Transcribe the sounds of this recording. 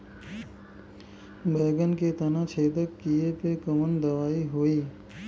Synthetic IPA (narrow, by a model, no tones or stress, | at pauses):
beːɡənket̪ənãt͡ʃʰeːd̪əkːijepekəmənd̪əʋaːiɦoiː